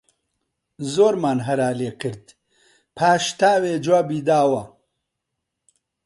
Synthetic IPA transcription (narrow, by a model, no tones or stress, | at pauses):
zoːɾmaːnɦɐɾaːleːkʰɨɾd̪ | pʰaːʃt̪aːweːd͡ʒwaːbiːd̪aːwɐ